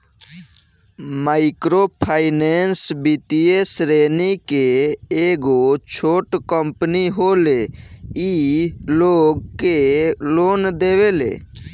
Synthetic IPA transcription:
maɪkɾopʰaːɪnensbit̪iesɾeːnikeː | ɡot͡ʃʰoːʈkəmpniɦoleiloːɡkeloːnd̪eːʋelḛː

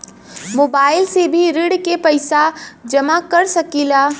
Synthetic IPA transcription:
moːbaːɪlsebʱiɾɪɽkepɐɪsad͡ʒɐmakɐɾsɐkiːlaː

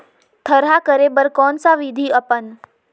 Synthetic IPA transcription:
t̪ʰəɾɦakəɾebəɾkɔːnsaʋɪd̪ʱiəpən

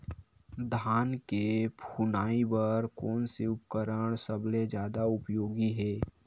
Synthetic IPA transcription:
d̪ʱaːnkepʰunaːibəɾkɔːnseʊpkəɾəɽ̃səbled͡ʒjaːd̪aʊpjoːɡiɦɛː

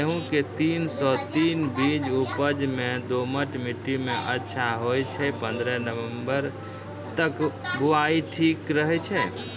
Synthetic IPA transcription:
eɦũket̪insɔt̪inbid͡ʒupəd͡ʒmed̪oməʈmiʈːimeʔətːʃʰaɦojt͡ʃʰɛpənd̪ɾənəʋembəɾ | t̪əkbuaiʈʰikɾəɦɛt͡ʃʰɛ

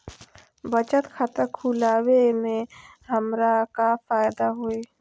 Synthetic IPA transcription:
bət͡ʃət̪kʰat̪əɾkʰulaːwemẽɦəmɾakafaːjd̪aɦoe

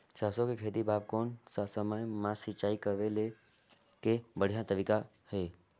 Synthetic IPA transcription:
t͡ʃaːsõkekʰeːd̪ibʱaːʋkoːnssəməjmãsɪt͡ʃaːikəʋele | kebəɽ̤ijãt̪əbɪka | heː

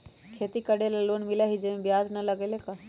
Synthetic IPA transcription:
kʰeːt̪ikəɽeleloːnmilaɦid͡ʒemẽbjaːd͡ʒnɐlɐɡeleka

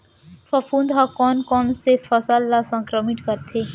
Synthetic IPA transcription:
fɐfuːnd̪ɦakɔːnkɔːnsefɐsəlːasə̃ŋkɾəmɪʈkəɾt̪ʰeː

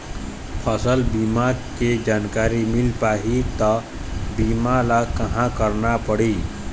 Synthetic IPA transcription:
pʰəsəlbimaked͡ʒaːnkaɾimilpaɦit̪ɔ | bimalakəɦãkəɾnapəɽi

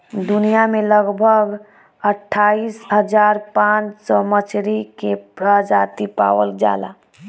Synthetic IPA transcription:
d̪unijameləɡbʱəɡ | əʈʰːaisɦəd͡ʒaɾpãt͡ʃsɔmət͡ʃɾikepɾəd͡ʒat̪ipa̰ʋəld͡ʒa̰la̰

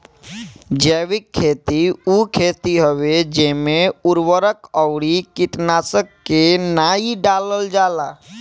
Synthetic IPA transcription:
d͡ʒɛːʋɪkʰːeːt̪iukʰeːt̪iɦəʋed͡ʒeːmẽʊɾʋəɾəkəwɽikɪʈnaːsəkːenaːiɖaːləld͡ʒaːlaː

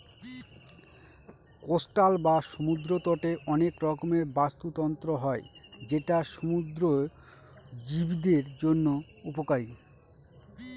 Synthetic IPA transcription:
kosʈalbaʃomud̪ɾot̪ɔʈeʔɔnekɾɔkomeɾbast̪ut̪ɔnt̪ɾoɦɔed͡ʑeʈaʃomud̪ɾo | d͡ʑibid̪eɾd͡ʑonːo | upokaɾi

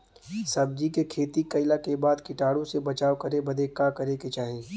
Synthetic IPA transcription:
sɐbd͡ʒikekʰeːt̪ikɐɪlakebaːd̪kɪʈaːɽõsebɐt͡ʃaːwkɐɾebɐd̪ʱekakɐɾeket͡ʃaːɦẽː

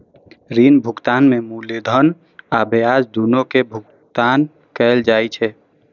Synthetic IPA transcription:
ɾiːnbʱʊɡt̪aːnmẽmuled̪ʱən | abead͡ʒd̪unokebʱʊk | t̪aːn | kɛːld͡ʒaːit͡ʃʰɛ

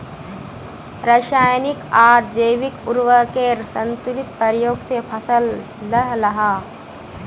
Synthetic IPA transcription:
ɾəʃaːjnɪkaːɾd͡ʒəʋɪkʊɾwəkesə̃nt̪ʊlɪt̪̚pəɾjoːɡsepʰɐsəlː | əɦɾɐɦaː

